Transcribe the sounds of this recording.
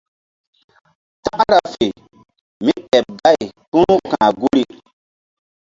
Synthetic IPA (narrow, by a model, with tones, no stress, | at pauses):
ta˦ʔa˦ɾa˨fe˨ | mi˦ɗɛ˨p̚da˦˨jkũ˦nu˦kãː˨ɡu˦ɾi˦